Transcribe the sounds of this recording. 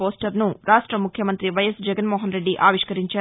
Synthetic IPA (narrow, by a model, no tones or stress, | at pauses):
oːsʈɐɾnuɾaːʂʈɾɐmukʰjɐmɐnt̪ɾiʋɐjɐsd͡ʒɛɡɐnmoːɦɐnɾe̞ɖːiʔaːʋiʂkɐɾiɲt͡ʃaː